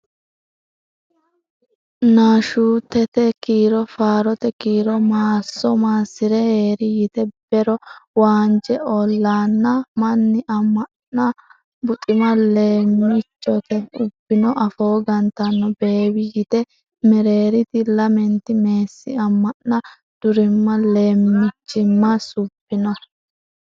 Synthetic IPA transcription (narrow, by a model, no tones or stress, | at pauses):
naːʃuːt̪ːɛt̪ɛkiːɾɔfaːɾɔt̪ɛkiːɾɔmaːsːɔmaːsɪɾɛheːɾɪjɪt̪ɛb̥ɛɾɔwaːnd͡ʒɛɔlːaːnːɐmɐnːɪʔɐmːɐʔnɐ | bʊt̪ʼɪmɐle̞ːmːɪt͡ʃːɔt̪ɛʊb̥ːɪnɔʔɐfo̞ːɡɐnt̪ɐnːɔbe̞ːwɪjɪt̪ɛ | mɛɾe̞ːɾɪt̪ɪlɐmɛnt̪ɪme̞ːsːɪɐmːɐʔnɐ | d̪̥ʊɾɪmːɐle̞ːmːɪt͡ʃːɪmːɐsʊb̥ːɪnɔ